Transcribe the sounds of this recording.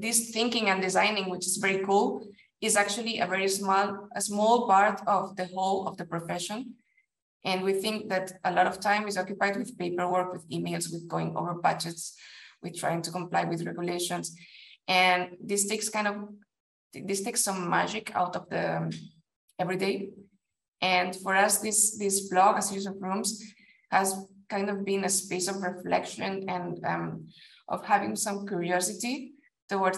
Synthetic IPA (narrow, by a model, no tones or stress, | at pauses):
ðɪsθɪ̃ŋkɪ̃ŋɨ̃nd̪ɨzãɪnɪ̃ŋwɪt͡ʃɪzvɛɹikulˠ | ɪzak̚t͡ʃuəlˠiʔəvɛɹismləsmɔlˠpaɹtʰɔvðəholɔ̰vðəpɹɔfɛʃɔ̃n | ʔɨ̃nwiθɪ̃ŋk̚ðætəlɔɾɔv̥tʰãɪ̃mɪzɔkjupajd̚wɪð̥pepə˞wə˞kwɨðimeɪlˠzwɪðɡoɪ̃ŋo̰və˞bad͡ʒɛtswɨð̥tʰɹ̥a̰jɪ̃ŋtukɔ̃mplajwɪðɹɛɡjuleɪʃɔ̃nsʔɨ̃nðistekskãj̃ndɔv | ðisteksːʌ̃mːa̰d͡ʒikʰa̰wtɔvðə | ɛvɹideɪ | ʔɨ̃nfɔɹʌsðisðisblɔɡasus̬ɔvɹũms | hæzkãɪ̃ndɔvbĩnəspeɪsɔvɹɛflɛ̰kʃə̃nɛ̃nʌ̃m | ʔɔ̰vhævɪ̃ŋsʌ̃mkjuɹiɔsiti | t̪owɔɹ